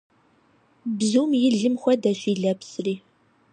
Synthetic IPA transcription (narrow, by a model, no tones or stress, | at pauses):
bzuːmjɪɮɨmxʷɐdɐɕiːɮɐpsriː